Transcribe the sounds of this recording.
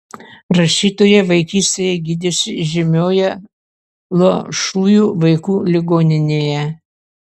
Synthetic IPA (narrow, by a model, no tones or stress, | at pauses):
ɾɐʃʲiːt̪oːjɛʋɐɪkʲiːsʲt̪ʲejɛɡʲid̪ʲɪsʲɪʒʲɪmʲoːjɛ | lˠoʃuːjuːʋɐɪkuːlʲɪɡoːnʲɪnʲeːjɛ